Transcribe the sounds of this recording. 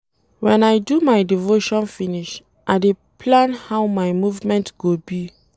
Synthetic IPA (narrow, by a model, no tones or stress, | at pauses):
wɛ̃najdumajdivoʃɔ̃nfiniʃ | ʔaɪde | pʰlãnhawmajmuvmɛ̃ntɡ̥obi